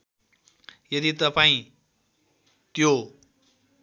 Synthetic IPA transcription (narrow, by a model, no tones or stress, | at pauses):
jʌd̪it̪ʌpaĩ | t̪jo